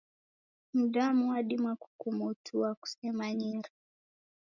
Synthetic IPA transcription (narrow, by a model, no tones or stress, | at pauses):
m̩ɗamuaɗimwaku̥kumutʰuaku̥sɛmaɲiɾa